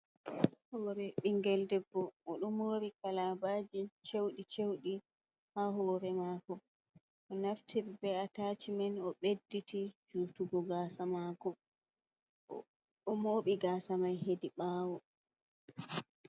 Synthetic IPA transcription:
hɔːɾɛɓiŋɡɛldɛbːɔʔɔɗumoɾikalabaːd͡ʒit͡ʃewɗit͡ʃewɗi | haɦɔːɾɛmaːkɔ | ʔɔnaftʰiɾbɛatat͡ʃimɛnɔɓedːitid͡ʒuːtuɡɔɡaːsamaːkɔ | ɔmoːɓiɡaːsamajhediɓaːwɔ

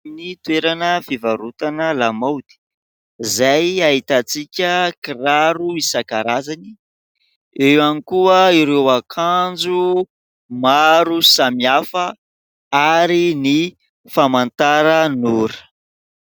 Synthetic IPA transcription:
nit̪uweɾanəfivaɾut̪anəlamawd̪̥i̥ | zajaɦit̪at͡sikʲəkiɾaɾuisakaɾazani | ewanikuəiɾewakʰand͡ʒu | maɾusamiafə | aɾini | famant̪aɾənuɾ

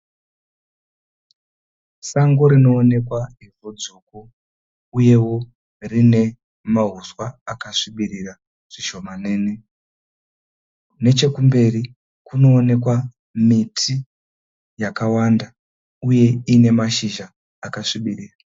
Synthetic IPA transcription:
saŋɡoɾino̞ːne̞kwaɦivod͡zoːko | uje̞wo̞ | rine̞ | maɦuswaakaʂiɓirira | ʐ̥iʃo̞maneːne | ne̞t͡ʃe̞kumbe̞ri | kuno̞ːne̞kwa | mitʰi | jakawanda | uje̞ine̞maʃiʒaː | kaʂiɓiriːra

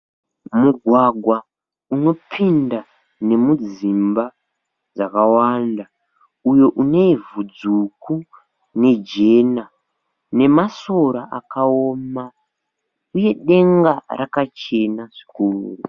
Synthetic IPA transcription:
muɡʱwaɡʱwa | uno̞pʰinda | ne̞mud͡zimba | d͡zakawanda | ujo̞ʔune̞ivud͡zuku | ne̞d͡ʒe̞ːna | ne̞maso̞ɾaʔakaoːma | uje̞ɗe̞ŋɡarakat͡ʃe̞naʐikuːru

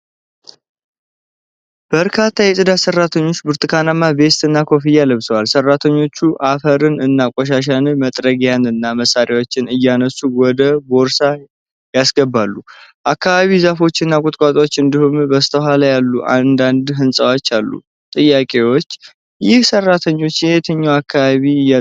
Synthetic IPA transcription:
b̥əɾkʰat̪ʰːajɛsʼɨd̪asərːat̪ʰəɲːo̞t͡ʃːbɨɾt̪ʰʼɨkʰanamːabe̞st̪ɨnːakʰo̞fijaləβsəwalsərːat̪ʰəɲːo̞t͡ʃːuʔafəɾɨnɨnːakʷʼɔʃ̬aʃ̬anɨmət̪ʼɾəɡjanɨnːaməsːaɾjawo̞t͡ʃːɪnɨjːanəsːuwɔd̪əboɾsa | jasɡəbalːuʔakːaβaβizafo̞t͡ʃːɨnːakʼʊt̪ʼkʼat̪ʼwot͡ʃːɨnd̪ihumbəst̪ʰəɦalajalːuʔa̰nd̪and̪ɦɨnsʼəwat͡ʃːalːṵ | t̪ʼɨjːakʼe̞wot͡ʃː | jɪhsərːat̪ʰəɲːo̞t͡ʃːjɛet̪ʰəɲːawakʰːaβaβij

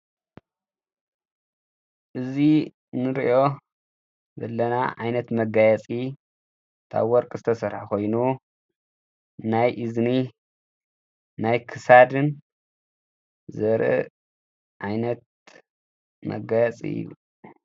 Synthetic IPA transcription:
ʔɨzi | nɨɾiʔo̞ | zɐ̰lːɐnaʔʕajnɐt̪mɐɡajɛt͡sʼi | t̪ʰa̰βwɔɾkʼɨzɨt̪ʰɐsɐɾħakʰo̞jnu | najʔɨzni | najkʰɨsad̪ɨn | zɐɾɨ̰ | ʔajnɐt̪̚ | mɐ̰ɡajɛt͡sʼḭjṵ

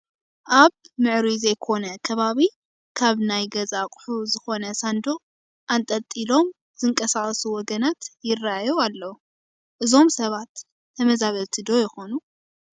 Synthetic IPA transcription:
ʔaβ | mɨʕɾizɐjkʰo̞nɐkʰɐβaβi | kʰaβnajɡɐzakʼʊ̥ħuzɨxo̞nɐsand̪o | ʔant̪ʼɐt̪ʼːilo̞m | z̥ɨŋkʼɐsaχʼsuwɔɡɐnat̪jɪrːaajoalːɐwu | ʔɨzo̞msɐβat̪ːʰ | ɐmɐzaβɐβt̪ʰɨd̪o̞jɪxo̞nu

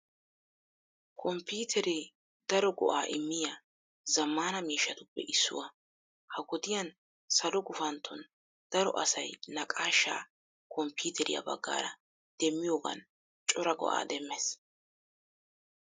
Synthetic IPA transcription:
kʰɔmpiːt̪ʰɛɾɛ | d̪̥ɐɾɔɡɔ̰ʔaːʔɪmːɪja | zɐmːaːnɐmiːʃːɐt̪ʊpːɛ̰ʔɪsːʊ̰wɐ | hɐɡɔd̪ɪjɐn | sɐlɔɡʊfɐnt̪ʰːɔn | d̪̥ɐɾɔ̰ʔɐ̰sɐjnɐkʼaːʃːa̰ː | kɔmpuːt̪ʰɛɾɪ̰jɐ̰bɐ̰ɡːa̰ːɾɐ | d̪̥ɛmːɪjoːɡɐ̰n | t͡ʃʼɔɾɐɡɔ̰ʔa̰ːd̪ɛmːɛs

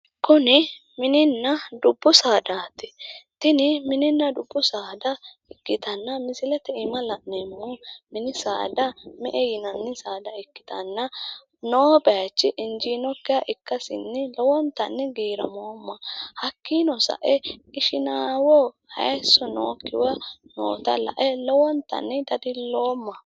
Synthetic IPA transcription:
kʊnɪ | mɪnɪnːɐd̪ʊbːʊsaːd̪aːt̪ɪ̥t̪ɪnɪmɪnɪnːɐd̪ʊbːʊsaːd̪ɐ | ɪkːɪt̪ɐnːɐmɪsɪlɛt̪ɛɪmɐlɐʔnɛmːomɪnɪsa̰ːd̪ɐmɛʔɛjɪnɐnːɛsaːd̪ɐɪkːɪ̥t̪ɐnːɐ | noːbɛat͡ʃːɪʔɪnd͡ʒiːnɔkːɪjɐʔɪkːɐsɪ̰nːɛlɔwɔnt̪ːɐ̰nːɛɡeːɾɐ̰moːmːɐhɐkːiːnɔsɐ̰ʔɛɪʃɪnaːwɔhɐ̰jsːɔno̰ːkːɪ̰wɐno̰ːt̪ɐ̰lɐ̰ʔɛlɔwɔnt̪ːɐ̰nːɛd̪ɐd̪ɪlo̞ːmːɐ

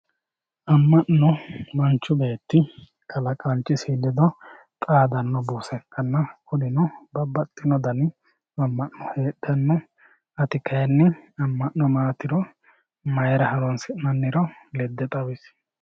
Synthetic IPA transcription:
ʔɐmːɐʔnɔmɐnt͡ʃːʊbeːt̪ːɪ | kʰɐlɐkʼɐnt͡ʃːɪsilːɪd̪ɔ | t̪ʼaːd̪ɐnːɔbuːsɛkʰːɐnːɐkʰʊd̪ɪnɔbɐbɐt̪ʼːɪnɔd̪ɐn | ɐmːɐʔːɔheːɗːɐnːɔ | ɐt̪ɪkʰɐjɛnːɛɐmːɐʔːɔmaːt̪ɪɾɔ | mɐjɛɾɐhɐɾɔnsɪnɐnːɪɾɔlɛd̪ːɛt̪ʼɐwɪs

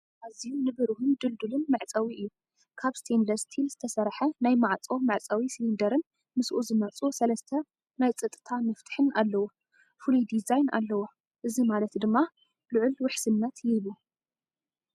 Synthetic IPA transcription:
ʔazijunɨβɨɾɨhund̪ɨld̪ulɨnmɨʕt͡sʼɐwiʔɨjːu | kʰaβst̪ʰend̪ɐɾst̪ʰilz̥ɨt̪ʰɐsɐɾħɐnajmaʕt͡sʼo̞mɐʕt͡sʼɐwislind̪ɐɾɨn | mɨsʔuzɨmɐt͡sʼusɐlɐst̪ʰɐ | najt͡sʼɨt̪ʼːɨ̥t̪ʰamɨft̪ʰɨ̥ħɨnʔalːɐwo | fɨlud̪izajna̰lːɐwo | ʔɨzimalɐt̪d̪ɨmːa | lɨʕʊlwʊħsɨnːɐt̪jɛlu

